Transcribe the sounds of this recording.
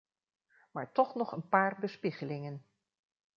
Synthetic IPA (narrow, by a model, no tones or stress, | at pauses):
maːɹtɔχnɔχənpaːrbəspiχəlɪŋən